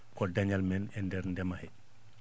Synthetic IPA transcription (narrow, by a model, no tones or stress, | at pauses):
kɔdaɲalmɛnɛndɛɾndɛmahɛ